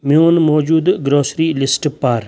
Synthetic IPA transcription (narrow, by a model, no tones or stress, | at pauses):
mjoːnmoːd͡ʒuːd̪ɡɾoːsɾiːlɪsʈpaɾ